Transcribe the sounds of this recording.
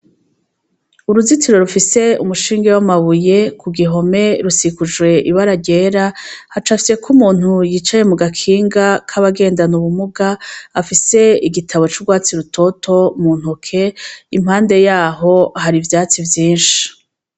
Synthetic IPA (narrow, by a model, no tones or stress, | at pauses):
uɾuzitiɾo̞ɾufise̞ṵmuʃiːŋɡewamaβuje̞kʰuɡiɦo̞me̞ɾusikud͡ʒwe̞ʔiβaɾaɟe̞ːɾahat͡ʃafi̥je̞kʰumuːn̥hujiːt͡ʃaje̞muɡakʰiːŋɡakʰaβaɡe̞ːndanuβumuɡaafise̞iɡitʰaβo̞t͡ʃuɡwaːt͡siɾutʰo̞tʰo̞mun̥hokʰe̞im̥haːnde̞jaːɦo̞ɦaɾivjaːt͡sivjiːnʃi̥